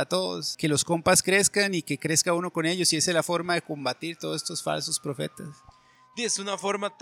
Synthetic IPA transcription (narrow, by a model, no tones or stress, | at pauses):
at̪o̞ðo̰ske̞lo̞sko̞mpaskɾe̞skanike̞kɾe̞skauno̞ko̞ne̞ʝo̞sie̞selafo̞ɾmaðe̞ko̞mbat̪iɾt̪oðsest̪osfa̰lso̞spɾo̞fe̞̰t̪as | d̪iesunafoɾmat̪